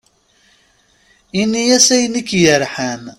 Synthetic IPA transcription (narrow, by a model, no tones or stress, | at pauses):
inːijæsæjnikːjəɾħæn